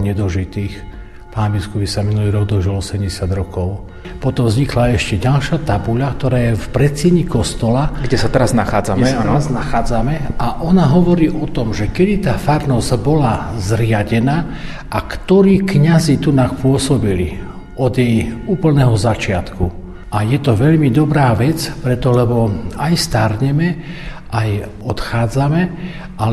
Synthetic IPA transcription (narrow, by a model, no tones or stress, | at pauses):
ɲɛd̪ɔʒit̪iːx | paːnbiskupisaminuliɾɔɡd̪ɔʒilɔsɛmɟɛsad̪ɾɔkɔʊ | pɔt̪ɔmvzɲiklaɛʃcɛɟalʃat̪abuʎakt̪ɔɾaːjɛfpɾɛt̪t͡sɪɛɲikɔst̪ɔlaɡɟɛsat̪ɛɾaznaxaːd͡zamɛɛaznaxaːd͡zamɛʔaʔɔnaɦɔʋɔɾiːʔɔt̪ɔmʒɛkɛd̪it̪aːfaɾnɔzbɔlazɾɪaɟɛnaː | ʔakt̪ɔɾiːkɲazit̪unaxpʊɔsɔbili | ɔd̪jɛjuːpl̩nɛɦɔzat͡ʃɪat̪ku | ʔajɛt̪ɔʋɛʎmid̪ɔbɾaːʋɛt͡spɾɛt̪ɔlɛbɔajst̪aɾɲɛmɛ | ʔaj | ɔt̪xaːd͡zamɛ | a